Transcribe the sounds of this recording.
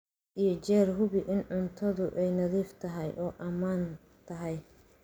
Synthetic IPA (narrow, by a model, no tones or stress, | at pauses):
ʔijɞt͡ʃɛːrɦʊβɪʔɪnʕʊnt̪ʰɐðʊʔɛjnɐðiːft̪ʰɐɦɛjʔɔːʔɐmaːn | t̪ʰɐɦɛj